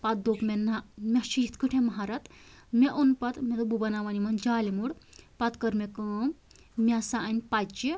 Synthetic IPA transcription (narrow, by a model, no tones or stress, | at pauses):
pɐt̪̚d̪okmʲenɐmʲɐʃiit̪kɨʈʰemɐɦaɾɐt̪mʲeʔonpɐt̪mʲet̪ububɐnaʋɐnimɐnd͡ʒaːlimuɽpɐt̪kɐɾmʲekɐm | mʲɐsaɐnʲpat͡ʃi